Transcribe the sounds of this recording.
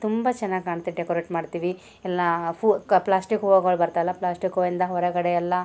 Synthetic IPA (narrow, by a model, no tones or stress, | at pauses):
t̪umbat͡ʃɛnːaːɡkaːɳt̪ːeɖekoɾeːʈmaːɖt̪iːʋi | ɛlːɐfuplaːsʈikoʋoɡoɭbɐɾt̪aːɛlːɐplaːsʈikoind̪ɐɦɔɾɐɡɐɽeɛlːɐ